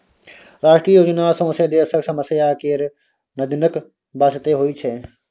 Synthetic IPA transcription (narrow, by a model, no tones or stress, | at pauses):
ɾaːʃʈɾiːjoːd͡ʒnasõːsed̪eːsəɾsɐməsjakeːɾ | nɐd̪ɪnək | baːsɪt̪eɦoit͡ʃʰe